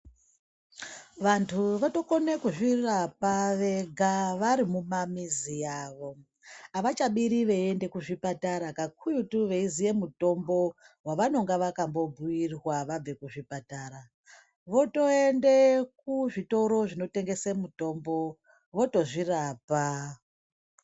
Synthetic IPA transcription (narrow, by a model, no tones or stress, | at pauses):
ʋantʰuʋoto̞konekuʐirapaʋe̞ɡʱaʋaɾimumamizijaːʋo̞ | aʋat͡ʃaɓiɾiʋeende̞kuʐipataɾakakʰujutuʋe̞izije̞muto̞mbo̞ | waʋano̞ŋɡaʋakambo̞bʱujirwaʋab͡ve̞kuʐipataɾa | ʋo̞to̞e̞ndek̚uʐito̞ɾo̞ʐino̞te̞ŋɡe̞semuto̞ːmbo̞ | ʋo̞to̞ʐiraːpa